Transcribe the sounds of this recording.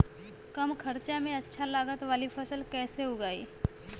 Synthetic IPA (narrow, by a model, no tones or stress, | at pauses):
kɐmkʰɐɾt͡ʃamẽɐtːʃʰalaːɡət̪ʋaːlipʰɐsəlkɛːseɦoɡaːḭː